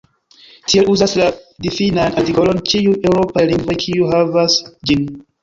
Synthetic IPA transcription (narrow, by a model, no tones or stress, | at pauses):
tie̞luzasladifinanatiko̞lo̞nt͡ʃiujewɾo̞pajliŋɡvo̞jkʰiuɦavasd͡ʒin